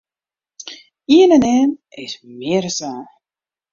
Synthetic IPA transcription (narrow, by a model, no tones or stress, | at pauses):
iənənɛːnɪsmɪərsaː